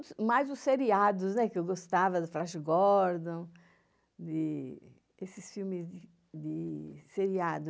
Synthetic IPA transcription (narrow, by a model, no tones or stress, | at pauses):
ʊsmajzʊsseɾiad̪ʊsnɛkɪewɡost̪avɐd̪ɪfɾãʃɡɔɾd̪õ | d̪ɪ | esɪsfiwmɪzd̪ɪ | d̪ɪseɾiad̪ʊ